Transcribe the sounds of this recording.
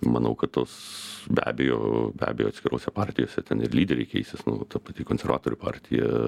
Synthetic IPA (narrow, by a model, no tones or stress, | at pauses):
mɐnɐʊkɐt̪t̪oːsbʲæ̰ːbʲejo̰ːbʲæ̰ːbʲejoːt̪sʲkʲɪɾoːsʲɛpɑɾʲt̪ʲɪjoːsʲɛt̪ʲɛnɪrlʲiːdʲɛɾʲɛɪkʲɛɪsʲɪsnʊt̪ɐpɐt̪ʲɪkoːnʲsʲɛɾʋɑ̰ːt̪oːɾʲʊpɑ̰ːɾʲt̪ʲɪjɛ̰